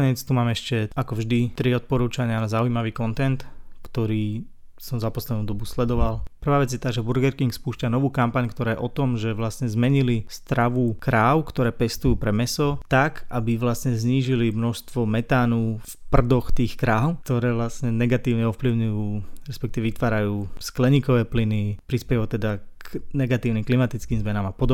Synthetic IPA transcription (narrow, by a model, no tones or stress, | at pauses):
ɲɪɛt͡st̪umaːmɛɛʃcɛakɔvʒd̪it̪ɾiɔt̪̚pɔɾuːt͡ʃaɲɪanazaujimaʋiːkɔnt̪ɛnt̪kt̪ɔɾiː | sɔmzapɔslɛd̪nuːd̪ɔbuslɛd̪ɔʋalpr̩ʋaːʋɛd͡zjɛt̪aːʒɛbuɾɡɛɾkiŋkspuːʃcanɔʋuːkampaɲkt̪ɔɾaːjɛ̰ʔɔt̪ɔmʒɛʋlasɲɛzmɛɲilist̪ɾaʋukɾaːʊkt̪ɔɾɛːpɛst̪ujuːpɾɛmɛsɔt̪akʔabiʋlasɲɛzɲiːʒilimnɔʃst̪ʋɔmɛt̪aːnuːfpr̩d̪ɔxt̪iːxkɾaːʊk̚t̪ɔɾɛːʋlasɲɛnɛɡat̪iːʊɲɛɔfpliʊɲujuːɾɛspɛkt̪iʋɛʋit̪ʋaːɾajuːsklɛɲiːkɔʋɛːplinipɾispɛjut̪ɛd̪aknɛɡat̪iːʊnimklimat̪it͡skiːmzmɛnaːmapɔd̪ɔ